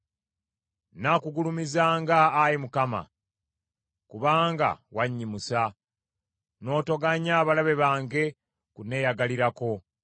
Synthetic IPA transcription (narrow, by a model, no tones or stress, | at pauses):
nakuɡulumizaːŋɡaːjimukama̰ | kuβaːŋɡa̰waɲːimusa | no̞ːto̞ɡaɲaːβalaβe̞βaːŋɡe̞ | kune̞jaɡaliɾako̞